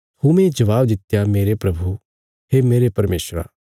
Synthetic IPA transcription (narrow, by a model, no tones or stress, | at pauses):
humẽd͡ʒɐʋaːbd̪ɪt̪jameːɾepɾɐbʱu | heːmeːɾepɐɾmeːsɾa̰ː